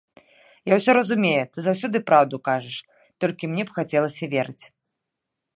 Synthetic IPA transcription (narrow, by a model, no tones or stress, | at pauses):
jawsʲɔɾɐzumʲejɛt̪ɨzawsʲɔd̪ɨpɾawd̪ukaʐɨʂ | t̪ɔlʲkʲimnʲɛpxat͡sʲɛlˠɐsʲɐvʲɛɾɨt͡sʲ